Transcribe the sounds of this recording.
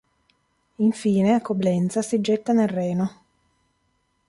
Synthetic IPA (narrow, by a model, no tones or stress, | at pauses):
iɱfiːneakoblɛnt̪sasid͡ʒːɛt̪ːanelrːɛːno